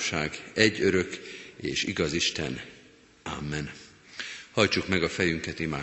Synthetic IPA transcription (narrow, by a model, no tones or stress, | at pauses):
ʃaːɡɛɟːøɾø̞kḛːʃḭɡɒziʃt̪ɛ̰n | amːɛn | hɒjt͡ʃukmɛɡɒfɛjyŋkɛt̪imaː